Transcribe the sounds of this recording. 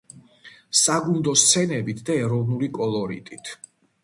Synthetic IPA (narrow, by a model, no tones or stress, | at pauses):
saɡund̪ɔst̪sʰɛnɛbit̪ʰd̪aɛɾɔvnulikʼɔlˠɔɾḭt̪ʼit̪ʰ